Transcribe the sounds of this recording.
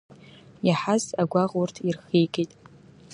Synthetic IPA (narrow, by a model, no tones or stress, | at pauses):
jaħazaɡʷaʁurtʰirχijɡʼitʼ